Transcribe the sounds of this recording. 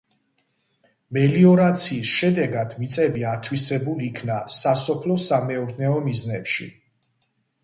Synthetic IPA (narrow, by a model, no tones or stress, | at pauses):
mɛliɔɾat̪sʰiːsʃɛd̪ɛɡad̪̥mit̪sʼɛbiat̪ʰwisɛbuliːkʰnasasɔpʰlɔsamɛɔɾnɛɔmiznɛpʃḭ